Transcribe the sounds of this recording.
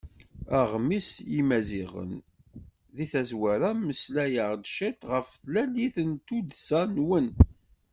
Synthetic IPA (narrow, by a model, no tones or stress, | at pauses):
æʁmisjimæziʁə̰n | ðiθæzwæɾæməslæjəʁd̪ʃæt̪ʁəfθlæliθənt̪ud̪sænwən